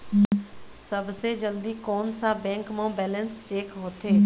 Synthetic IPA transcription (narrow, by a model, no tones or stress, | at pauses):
sɐbʱsed͡ʒəld̪ikoːnsãbɛ̃ːŋkmãbɛːlə̃nst͡ʃeːkɦoːt̪ʰeː